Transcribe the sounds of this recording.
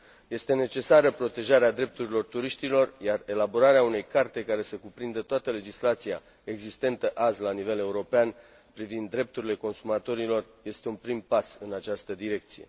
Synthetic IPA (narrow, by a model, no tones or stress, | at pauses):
je̞st̪e̞ne̞t͡ʃe̞saɾəpɾo̞t̪e̞ʒaɾead̪ɾe̞p̚t̪uɾilo̞rt̪uɾiʃt̪ilo̞rjare̞labo̞ɾaɾeaune̞jkart̪e̞kaɾe̞səkupɾind̪ət̪oat̪əle̞d͡ʒislat̪sija̰ | e̞ɡzist̪e̞nt̪əʔazlanive̞le̞uɾo̞pean | pɾivind̪ːɾe̞p̚t̪uɾile̞ko̞nsumat̪o̞ɾilo̞rje̞st̪e̞unpɾimpasɨnat͡ʃast̪əd̪iɾe̞k̚t̪sije̞̰